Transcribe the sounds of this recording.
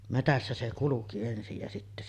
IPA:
metæsːæ se kuluki ensij jɑ sitːæ

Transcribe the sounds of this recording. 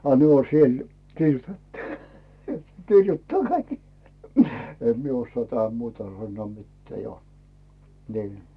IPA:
ɑ ne o siel kirjutetːu̥ kirjutːɑː kɑik em mie osːoɑˑ tæhæm muːtɑ sɑnːŭoˑ mitːeæˑ jo niː

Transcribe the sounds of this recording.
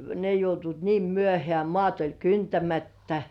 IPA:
ne joutuit niːm myøhĕæˑ mŏɑˑt olʲ kyntæmætːæ

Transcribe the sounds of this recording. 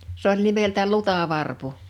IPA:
s olʲ nimeltæ lutɑˑʋɑrpu

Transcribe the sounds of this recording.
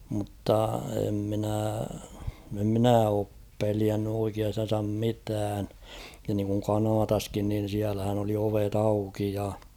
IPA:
mŭtːɑ em minæˑ em mĭnæˑ oːp peliænːy oikiɑstɑn̞sɑm mitæːn jɑ niːŋkuŋ kɑnɑːtɑskin nin̞ siælæhæn oli oʋet ɑuki jɑ

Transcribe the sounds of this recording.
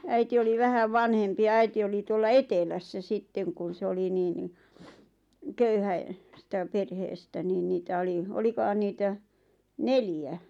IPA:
æiti oli ʋæhæʋ ʋɑnhempi jɑ æiti oli tuolːɑ etelæsːæ sitːeŋ kun̞ se oli niː ni køyhæe stæ perheːstæ niːn niːtæ oli olikohɑn niːtæ neljæ

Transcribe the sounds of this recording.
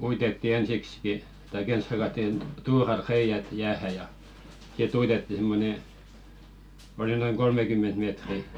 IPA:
uitetːi ensikski tɑik ens hɑkɑtːin tuːrɑl reij̆æt jæːhæ jɑ sit uitetːi simːone oli noiŋ kolmekymːent meːtri

